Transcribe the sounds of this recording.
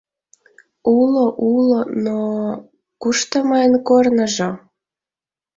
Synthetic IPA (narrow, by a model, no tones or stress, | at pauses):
uloʔulono | kuʃt̪əmɑənkornəʒo